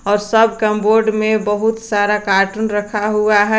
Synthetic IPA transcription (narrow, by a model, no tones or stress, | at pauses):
ɔːɾsəb̚kəmboːɾɖmẽbəɦut̪saːɾakaːʈunɾəkʰaɦuaɦɛ